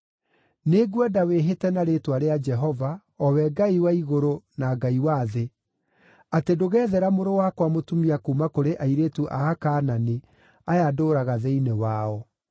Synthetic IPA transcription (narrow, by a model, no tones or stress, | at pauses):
neɡwɛdaweɦetɛnaɾetwaɾead͡ʒɛɦɔva | ɔwɛɡaiwaiɣoɾonaɡaiwaːðe | atedoɣɛːðɛɾamoɾowakwamotumiakuːmakoɾeʔaiɾetuʔaːkaːnane | ajadoːɾaɣaðɛinewaɔ